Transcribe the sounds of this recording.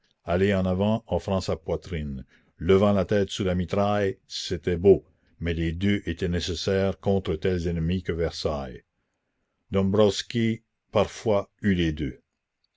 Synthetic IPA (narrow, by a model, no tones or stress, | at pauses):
aleɑ̃navɑ̃ɑ̃fɾɑ̃sapwat̪ɾin | ləvɑ̃lat̪ɛːt̪sulamit̪ɾajset̪ɛbo | mɛled̪øʔet̪ɛnesesɛːʁkɔ̃t̪ɾət̪ɛlzɛnmikəvɛʁsaj | d̪ɔ̃mbɾɔskʲi | paʁfwayled̪ø